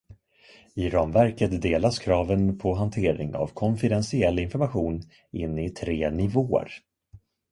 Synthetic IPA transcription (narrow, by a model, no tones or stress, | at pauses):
ɪɾɑːmvæɾkət̪d̪eːlaskʰɾɑːvənpʰɔɦant̪ʰeːɾɪ̰ŋa̰vkʰɔnfɪd̪ɛnsɪɛlːɪnfɔɾmaɧuːn | ɪnːɪt̪ʰɾeːnɪvoːə̰ɾ